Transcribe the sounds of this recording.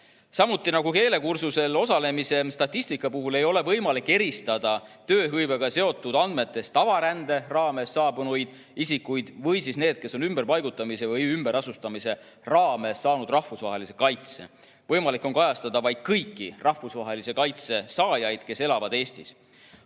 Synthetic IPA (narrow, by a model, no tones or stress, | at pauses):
sɑmut̪ːˑinɑɡ̥uke̞ːle̞kursuse̞lo̞sɑle̞mise̞st̪ɑt̪ˑːisʲt̪ikːˑɑpuɦule̞jo̞le̞vɤjmɑlikːˑe̞ɾist̪ɑd̪̥ɑt̪øːɦɤjveɡ̥ɑse̞o̞t̪ːˑud̪̥ɑnd̪̥me̞t̪ːˑe̞st̪ɑvɑɾænd̪̥e̞rɑːme̞sːɑːbunujd̪̥ | isikːujd̪̥vɤjsisne̞ːd̪̥̚ke̞so̞nymb̥e̞rpɑjɡ̥ut̪ːˑɑmise̞vɤjymbeɾɑsust̪ɑmise̞ | rɑːme̞sːɑːnud̪̥rɑhfusvɑɦe̞lise̞kɑjt̪se̞̰ | vɤjmɑlikːˑo̞nkɑjɑst̪ɑd̪̥ɑvɑjd̪̥kɤjkːirɑhvusvɑɦe̞lise̞kɑjt̪se̞sɑːjɑjd̪̥ke̞se̞lɑvɑd̪e̞ːst̪is